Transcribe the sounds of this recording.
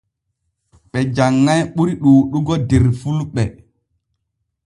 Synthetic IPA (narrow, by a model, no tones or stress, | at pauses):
ɓɛd͡ʒaŋːajɓuɾiɗuːɗuɡɔdeɾfulɓɛ